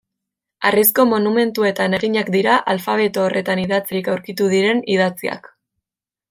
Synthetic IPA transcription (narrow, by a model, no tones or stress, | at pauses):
arisko̞mo̞nume̞nt̪ue̞t̪ane̞ɣiɲakd̪iɾaʔalfaβ̞e̞t̪oːrʔe̞t̪aniðat͡siɾikawɾkit̪uðiɾe̞niðat͡sia̰k